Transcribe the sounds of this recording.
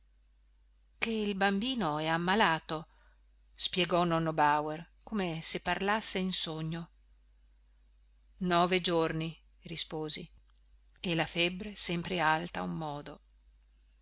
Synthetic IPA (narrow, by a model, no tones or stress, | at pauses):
keilbambiːnoɛamːalaːt̪o | spjɛɡɔnɔnːobawer | koːmesepːarlasːeinsoɲːo | nɔːved͡ʒorni | rispoːzi | elafɛbːɾesɛmpɾealt̪aumːɔːd̪o